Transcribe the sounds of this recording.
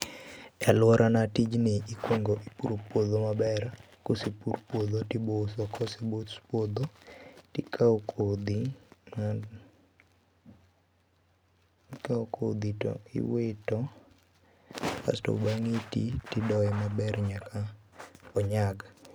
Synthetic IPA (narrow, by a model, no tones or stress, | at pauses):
alʊɔɾʔanatid͡ʒnɪikwoŋɡoʔipuɾopwod̪omabɛr | kosipuɾpwod̪otibosɔkɔsebospwod̪otikʰaokʰod̪ima | kaoko̰d̪itɔ̰ḭwetɔ | ka̰stɔ̰baŋitḭtidɔɛmabɛrɲakaɔɲaɡ